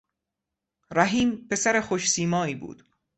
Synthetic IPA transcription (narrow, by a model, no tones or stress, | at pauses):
ɾæɦiːmpe̞sæɾexoʃsiːmɒːiːbṵːd̪̥